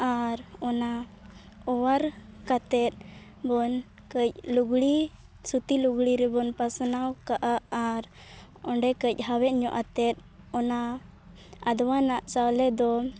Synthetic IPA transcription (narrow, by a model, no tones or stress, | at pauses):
aɾɔna | ɔwaɾkat̪ɛt̪̚ˀ | bɔn | kəc̚luɡɽi | sut̪iluɡɽiɾɛbɔnpasnawkaʔaaɾ | ɔɳɖɛkəc̚ˀɦawɛʔɲɔʔat̪ɛt̪̚ | ɔna | ad̪ɔwanaʔt͡ʃawlɛd̪ɔ